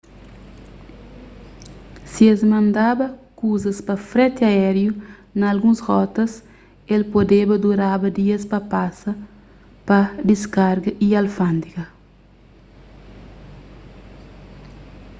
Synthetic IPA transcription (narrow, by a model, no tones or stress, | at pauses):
siezmɐ̃nd̪abɐkuzɐspɐfɾɛt̪eaɛɾjunɐːlɡũshɔt̪ɐs | elpod̪ebɐd̪uɾabɐd̪iɐspɐpasɐ | pɐd̪iskaɾɡɐʔialfãnd̪ikɐ